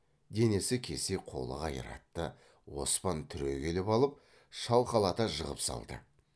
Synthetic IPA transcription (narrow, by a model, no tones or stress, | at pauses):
d̪e̞ne̞sɪkʲʰe̞se̞qʰo̞̰lˠə̰qɑjə̰ɾɑ̰t̪ːə | wo̞spɑnt̪ʰʏɾe̞kʲʰe̞lɪpɑlˠəp̚ | ʃɑlˠqɑlˠɑt̪ɑʒəʁə̰psɑ̰lˠd̪ə̰